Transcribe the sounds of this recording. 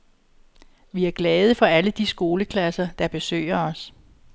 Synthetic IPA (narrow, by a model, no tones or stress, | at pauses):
ʋiæɐɡ̥lɛːð̞ˠəfɒ̽æləd̥isɡ̥o̝ːləkʰlæsɐd̥ɑ̈b̥e̝sø̰ɪ̰ɐɒ̽s